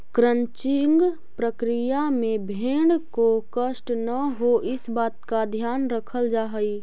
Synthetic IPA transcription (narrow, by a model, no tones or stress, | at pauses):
kɾə̃ɲt͡ʃɪŋɡ | pɾəkɾijamẽbʱeːɳɖkokəʃʈnəɦoɪsbaːt̪kad̪ʱjaːnɾəkʰəld͡ʒaːɦəi